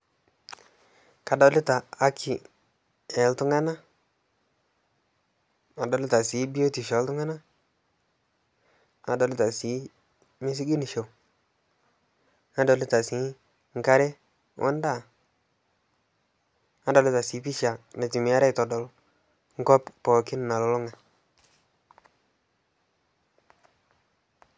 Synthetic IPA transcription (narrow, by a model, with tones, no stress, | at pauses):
ka˨dɔ˨˦lɪ˦taː˨˦kʰi˨ | ɛ˨ltu˦ŋa˦na˦ | a˨dɔ˨˦lɪ˦ta˨si˨˦bi˦jo˦ti˨ʃɔ˨˦ltu˦ŋa˦na˦ | a̰˨dɔ˨lɪ˦ta˨si˨˦ | mi˦s̬i˦ɡi˦ni˨ʃo˨ | a˦do˨li˦ta˨si˨˦ | ŋ̩˦ka˦ɾe˦ | wʔɔ̰˦n˦da˦˨ | a˦do˨li˦ta˨si˨˦pi˦ʃa˨ne˨ti˨mi˨˦a˦ɾe˦˨to˨do˨l | ŋ̩˦ko˦ppo˨ki˦n˨ma˨lo˨˦lo˦ŋa˨